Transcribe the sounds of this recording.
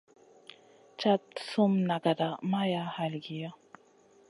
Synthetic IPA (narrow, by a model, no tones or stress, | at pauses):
t͡ʃat̪sumnaɡad̪amajahalɡija